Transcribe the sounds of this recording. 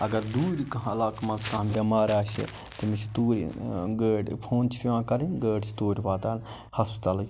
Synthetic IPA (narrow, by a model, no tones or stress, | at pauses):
ɐɡɐɾd̪uːɾʲikɐɦɐlaːkmɐsk̪ãːmbʲɐmaːɾaːʃḭ | t̪imit͡ʃʰi̥t̪uːɾ̰ʲɡəːɖpʰoːnt͡ʃʰi̥pʲiʋãːkɐɾinɡəːɖt͡ʃʰi̥t̪oːɾʲiʋaːt̪aːn | hɐspt̪ɐlɐ